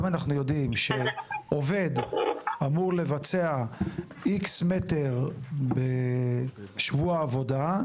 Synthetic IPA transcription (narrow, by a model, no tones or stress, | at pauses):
manaχnujo̞dimʃeʔo̞ve̞damuʁle̞vat͡se̞a | iksmete̞ʁbe | ʃvuaːvo̞da